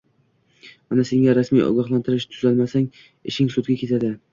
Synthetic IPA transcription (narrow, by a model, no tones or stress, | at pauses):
manase̞ŋɡʲaɾasmijʔɒ̰ɡʲɒχlˠant̪ʰɪɾɪʃt̪ʰʊzalmasaŋ | ɪʃɪŋsʊd̪ɡʲakʲʰe̞t̪ʰad̪ɪ